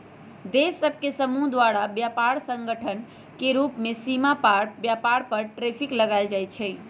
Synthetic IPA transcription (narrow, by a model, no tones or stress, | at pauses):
d̪esːəbʱkesəmuɦd̪waɾabjapaɾsə̃ŋɡəʈʰən | keɾupmesimapaɾbjapaɾpəɾʈɾepʰikləɡaɪld͡ʒajt̪t͡ʃʰɛ